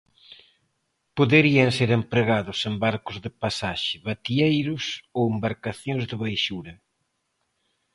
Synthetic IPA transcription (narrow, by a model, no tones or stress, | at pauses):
poðeɾiɐŋseɾempɾeɣaðʊsembaɾkʊzðɪpasaʃɪβat̪iejɾʊsowembaɾkaθjõŋzðɪβajʃuɾɐ